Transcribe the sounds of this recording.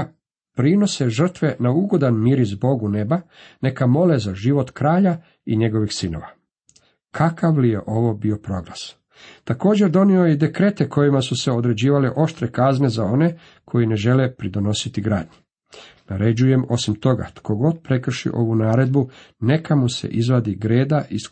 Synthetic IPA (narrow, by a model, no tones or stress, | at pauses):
pɾino̞seʒr̩t̪ʋe̞nauɡo̞d̪anmiːɾizbo̞ɡune̞bane̞kamo̞lezaʒiʋo̞t̪kɾaːʎa | iɲe̞ɡo̞ʋixsino̞̰ʋa | kʰakaʋlije̞ʔo̞ʋo̞bio̞pɾo̞ɡlˠa̰s | t̪ako̞ːd͡ʑe̞ɾd̪o̞nio̞jed̪e̞kɾe̞ːt̪e̞ko̞jimasuse̞o̞d̪ɾe̞d͡ʑiːʋaleʔo̞ʃt̪ɾekazne̞zao̞ne̞ | kʰo̞jine̞ʒe̞lepɾid̪o̞no̞sit̪iɡɾa̰ːd̪ɲi | naɾed͡ʑuje̞mo̞simt̪o̞ɡa̰t̪ko̞ɡo̞d̪pɾe̞kr̩ʃḭʔo̞ʋunaːɾe̞d̪bune̞kʰamusḛʔizʋad̪iɡɾeːd̪aʔis